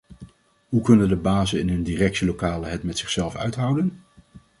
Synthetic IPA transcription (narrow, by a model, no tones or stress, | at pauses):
ɦukɵnəndəbaːzənɪnɦɵndirɛksəlowkaːləɦɛtmɛtsɪχsɛlˠfœ̰ɥtɦʌwdən